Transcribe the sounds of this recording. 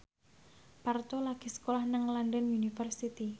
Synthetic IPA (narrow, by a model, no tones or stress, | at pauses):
part̪olaɡ̥i̤sə̥kolahnəŋlandənunifərsit̪i